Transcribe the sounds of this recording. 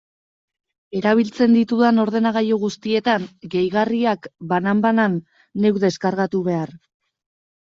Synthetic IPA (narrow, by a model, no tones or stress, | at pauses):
e̞ɾaβ̞ilt͡se̞nd̪it̪uðano̞ɾð̞e̞naɣ̞ajoɣust̪ie̞t̪anɡe̞jɣariakbanambananː | e̞wðe̞skaɾɣat̪uβe̞ar